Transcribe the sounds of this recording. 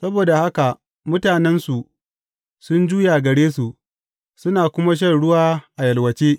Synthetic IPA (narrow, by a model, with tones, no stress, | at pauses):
sɐ˦boː˨da˨ha˦ka˨ | mʊ˦taː˨nɛ˦nsu˨ | sʊ˦nd͡ʒuː˦ja˨ɡɐ˨ɽeː˦su˨ʔ | sʊ˦naː˨kʷʊ˦ma˦ʃ̬ɐ˦˨nɽʊ˦waː˦ʔa˨jɐ˨lwɐ˨t͡ʃeː˦